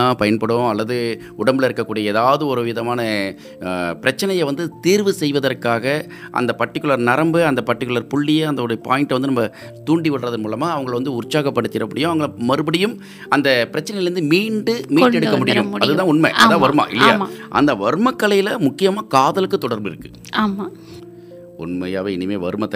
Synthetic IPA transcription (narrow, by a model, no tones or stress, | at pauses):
apɐjɐnpɐɽõɐlːɐðɯ | ʊɽɐmbɪlɐɪɾɯkːɐkːuːɽijɐeːðaːʋɐðɯɔɾɯʋɪðɐmaːnɐ | pɪɾɐt͡ʃːɐnɐjɐʋɐnd̪ɯt̪iːɾʋɯsɛjʋɐðɐrkːaːɣɐ | ʔɐ̰nd̪ɐpɐʈːɪkːɯɭɐɾnɐɾɐmbɯɐnd̪ɐpɐʈːɪkːɯɭɐɾpʊɭːɪjɐɐnd̪ɐɔɾpaːjɪɳʈʋɐnd̪ɯnɐmːɐ | t̪uːɳɖiʋɪɽrɐðɐnmuːlɐmaːɐʋɐŋɡɐɭʋɐnd̪ɯʊɾt͡ʃːaːɣɐpːɐɽɯt̪ːɪɾɐpːɐɽɪjʊ̃ɐʋɐŋɡɐɭmɐɾɯbɐɽɪjɯm | ɐnd̪ɐpɪɾɐt͡ʃːɐnɐjlɾnd̪ɯmiːɳɖɯmiːʈːɛɽɯkːɐmːʊɽɪjmɐðɯt̪ãːʊnmɐ̰ːðaːʋɐɾɯma̰ːʔɪ̰lːɐja̰ːaʔɐ̰nd̪ɐʋɐɾɯmɐkːɐɭɐjɪlɐmʊkːɪjɐmaːkaːðɐlɯkːɯt̪ːɔɽɐɾmbɪ̰ɾɯkːɯ̥ | aːmaː | ʊ̰nmɐjaːʋɐɪnɪmeːʋɐ̰ɾɯmɐt̪ːɐ